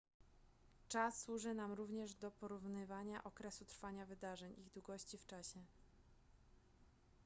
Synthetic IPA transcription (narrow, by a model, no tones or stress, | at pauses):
t͡ʂasːwuʐɘnamɾuvɲɛʐd̪ɔpɔɾuvnɘvaɲaʔɔkɾɛsut̪ɾfaɲavɘd̪aʐɛɲiɣd̪wuɡɔɕt͡ɕift͡ʂaɕɛ